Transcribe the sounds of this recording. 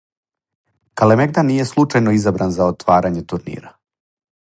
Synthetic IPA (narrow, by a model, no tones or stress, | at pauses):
kalemeɡ̚d̪anije̞slˠut͡ʃajnoizabɾanzaot̪ʋaːɾaɲe̞t̪uɾnḭːɾa